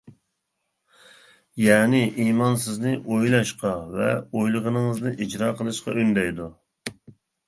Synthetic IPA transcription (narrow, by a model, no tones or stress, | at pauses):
jɛʁnɪʔimɑnsɪznɪʔojlˠɑʃqɑvɛojlˠəʁənɨŋəznɨʔid͡ʒɾɑːqʰəlˠɨʃqɑ̰ʔønd̪ɛjd̪u